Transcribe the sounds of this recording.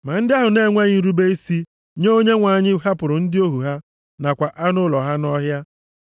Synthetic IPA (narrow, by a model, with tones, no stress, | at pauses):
ma˨n̩˦dɪ˦a˦ɦʊ˨ne˦˨ŋʷe˦ɲɪ˦n̩˦ɾu˦be˦i˦si˦ | ɲo˦ɲe˦ŋʷa˨ɲɪ˦ɦa˦pʊ˨ɾʊ˨n̩˦dɪ˦o˦ɦu˨ɦa˦ | na˨kʷa˨ʔa˦nʊ˦lɔ˨ɦa˦nɔ˦ɦja˦